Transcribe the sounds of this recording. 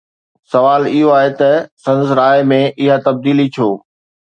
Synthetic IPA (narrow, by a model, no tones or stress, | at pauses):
sɐʋaːlɪɦoaːɦet̪ɐsɐ̃nd̪sɾaːɪmẽʔɪɦat̪ɐb̚d̪iːlit͡ɕʰoː